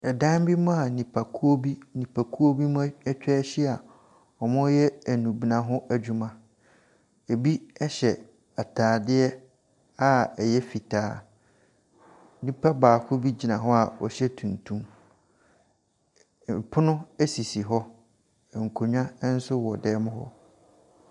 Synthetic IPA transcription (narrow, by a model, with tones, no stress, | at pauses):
ɛ˨dã˦m˦bi˦mʊ̃˦a˨nĩ˨pʰa˨kʰu˦o˦bi˦nĩ˨pʰa˨kʰu˦o˦bi˦mʊ̃˦ɛ˦t͡ɕᶣɛ˦ɕɛ˦a˨ | ɔ˨mʊ̃˦jɛ˦æ˨nũ˨bi˨nã˨ɦʊ̃˦æ˦d͡ʑᶣu˦mã˦ | e˨bi˦ɛ˦ɕɛ˨ | a˨tʰaː˨dɪ˦ɛ˦ | a˦ɛ˨jɛ˦fi˨tʰaː˨˦ | nĩ˦pʰa˦baː˨kʰʊ˦bi˦d͡ʑi˨nã˨ɦɔ˦a˨ɔ˨ɕɛ˦tʰũ˨ntʰũ˦m˨ | pʰʊ˦nʊ̃˦ɛ˦si˨si˨ɦɔ˦˨ | ŋ̩˨kʰo˨ɲᶣã˦n̩˦sʊ˦wɔ˨dɛː˦mʊ̃˦ɦɔ̰˦